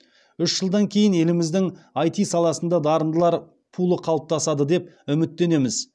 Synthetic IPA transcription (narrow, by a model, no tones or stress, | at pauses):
ʏʃʒ̥əlˠd̪ɑŋkʲʰe̞jɪne̞lɪmɪzd̪ɪŋɑjt̪ijsɑlˠɑsənd̪ɑd̪ɑɾənd̪əlˠɑɾ | pʰulˠəqʰɑlˠəp̚t̪ʰɑsɑd̪əd̪e̞p̚ʏmɪt̪ːe̞ne̞mɪz